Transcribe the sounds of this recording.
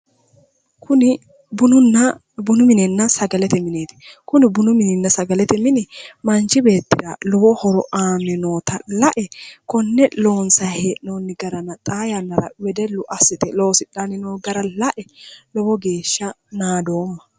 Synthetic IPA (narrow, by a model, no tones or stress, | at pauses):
kʊnɪ | bʊnʊnːɐ | bʊnʊmɪnɛnːɐsɐɡɐlɛt̪ɛmɪneːt̪ɪ̥kʊnɪbʊnʊmɪnɪnːɐsɐɡɐlɛt̪ɛmɪnɪmɐnt͡ʃɪbe̞ːt̪ːɪɾɐlɔwɔhɔɾɔʔaːmɛnoːt̪ɐlɐʔɛkɔnːɛlo̞ːnsɐhenoːnːɪɡɐɾɐnɐt̪ʼaːjanːɐɾɐ̰wɛd̪ɛlːʊʔɐsɪt̪ɛloːsɪᶑanɪnoːɡɐɾɐlɐʔɛlɔwɔɡe̞ːʃːɐ | naːd̪o̞ːmːɐ̥